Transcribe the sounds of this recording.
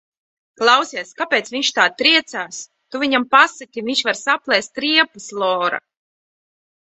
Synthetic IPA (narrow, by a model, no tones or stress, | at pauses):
klˠawsʲiɛskapʲɛːt̪svʲiɲʃt̪aːt̪ɾiɛt̪saːs | t̪uviɲampasakʲiviɲʲʃvaɾsaplˠɛst̪t̪ɾiɛpuslˠɔːɾa̰